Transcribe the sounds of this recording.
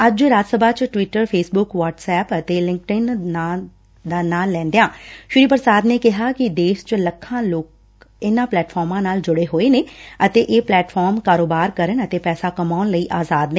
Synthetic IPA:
əd͡ʒɾaːd͡ʒsəbaːt͡ʃʈʋɪʈəɾpʰeːsbʊkʋaːʈsɛːpət̪eːlɪ̃ŋk̚ʈɪna | d̪aːnaːlːɛ̃ːnd̪ejãːʃʊɾiːpəɾsaːd̪neːkɪɦaːkɪd̪eːʃt͡ʃləkʰːãːloːk̚ | ɪnãːplɛːʈfʰɔːɾmãːnaːld͡ʒʊɽeːɦoːeːneːət̪eːʔeːplɛːʈfʰɔːɾmkaːɾoːbaːɾkəɾənət̪eːpɛːsaːkəmaːʊnləiːʔaːzaːd̪neː

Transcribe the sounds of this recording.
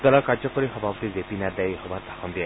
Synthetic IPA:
d̪ɔɾɔkaɾd͡ʒɔkɔɾiɦɔbʱapɔt̪izepinad̪ajiɦɔbat̪akɔnd̪ia

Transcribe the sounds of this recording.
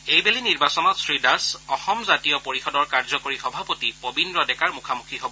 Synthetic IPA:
ejbeliniɹbasɔnɔtsɹidasɔxɔmzatijɔpoɹixɔdɔɹkaɹzɔkoɹixɔbʱapotipobindɹɔdɛkaɹmukʰamukʰiɦobɔ

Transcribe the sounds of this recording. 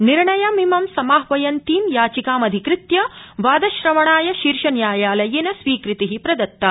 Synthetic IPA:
niɾɳɐjɐmimɐmsɐmaːɦʋɐjɐnt̪iːmjaːt͡ʃikaːmɐd̪ʱikɾɪt̪jɐʋaːd̪ɐʃɾɐmɐɳaːjɐʃiːɾʂɐnjaːjaːlɐjenɐsʋiːkɾit̪iɦipɾɐd̪ɐt̪ːaː

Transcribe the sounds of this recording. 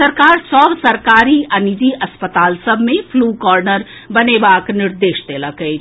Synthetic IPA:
əɾkaːɾsɔːbsɐɾkaːɾiɐnid̪iʔɐspət̪aːlsəbʱmẽpʰluːkɔːɾnəɾ | bɐnebaːknɪɾd̪eːʃt̪eləɡəe

